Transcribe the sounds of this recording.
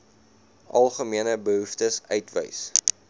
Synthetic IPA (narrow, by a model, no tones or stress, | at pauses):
ʔɐlˠχəmiənəbəɦuftəsœ̰ɥtvə̰js